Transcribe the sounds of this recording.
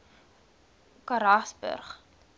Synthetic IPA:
kaɾasbə̰rχ

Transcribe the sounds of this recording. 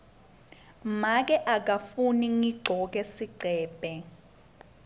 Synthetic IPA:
mak̬ʼɛʔak̬ʼafuniŋiɡ͡ǃʱɔk̬ɛsiǀʱɛːbʱɛ

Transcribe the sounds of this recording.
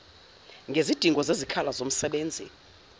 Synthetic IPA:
ŋɡʱezid̥ʱiŋɡʱɔzezikʰalazom̩sɛɓeːnd͡zʱḭ

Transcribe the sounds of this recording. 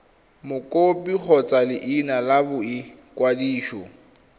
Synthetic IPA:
mʊkʼopʼik͡xʰɔt͡sʼalɪʔɪnalabʊɪ | kʼwadiːʃɔ

